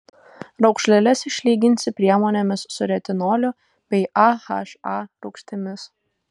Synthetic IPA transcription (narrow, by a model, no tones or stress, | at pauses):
ɾɐʊkʃʲlʲɛlʲɛsɪʃʲlʲiːɡʲɪnʲsʲɪpʲɾʲiɛmoːnʲɛmʲɪsːʊɾʲɛt̪ʲɪnoːlʲʊ | bʲɛɪʔɑxɐ̰ʃɑːɾʊkʃʲt̪ʲɪmʲɪs